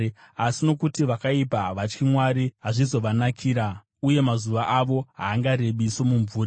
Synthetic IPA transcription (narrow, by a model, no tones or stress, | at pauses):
asino̞kutiʋakaipaʋat͡ʃkimwaɾiɦaʐizo̞ʋanakʰiːɾa | uje̞mazuʋaʔaʋo̞ɦaːŋɡaɾe̞ɓiso̞muɱvuːra